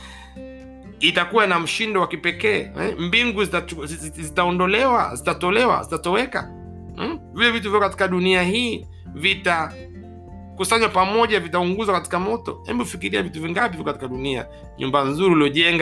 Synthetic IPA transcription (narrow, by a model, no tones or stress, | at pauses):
itakuwanam̩ʃindɔwakipɛkɛːɛ̰mbiŋɡuzitzitaɔndɔlɛwa̰zitatɔlɛwa̰zitatɔwɛka̰ | vilɛvit̬uviɔkati̥kaɗuniahiː | vita | kusaɲwapamɔʄavitauŋɡuzwakati̥kamɔtɔ̰hɛ̰mbiufikiɾiavituviŋɡapiviɔkati̥kaɗunia̰ | ɲṵmbanzuɾiliɔʄɛŋɡa